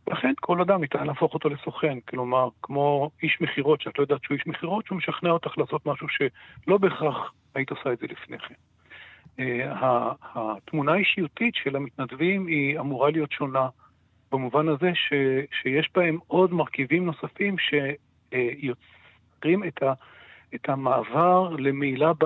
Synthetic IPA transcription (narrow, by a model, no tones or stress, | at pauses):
velaχe̞nkʰo̞lad̪amit̪anlaːfo̞χo̞t̪o̞le̞so̞χe̞nklo̞maʁkmo̞iʃmeχiʁo̞tʃat̪lojodat̪ʃuiʃmeχiʁo̞t̪ʃumeʃaχneaot̪aχlaːsot̪maʃuʃe̞lo̞be̞χaχ | ait̪osaedzelifne̞̰χem | ehahat̪munaiʃijutitʃe̞lamit̪nadvimiamuʁalijo̞tʃo̞na | b̥amuvanaze̞ʃeʃejeʃbae̞mo̞dmaʁkivimno̞safimʃe̞ | jo̞t͡s | ʁimeta | etʰamaːvaʁle̞meilab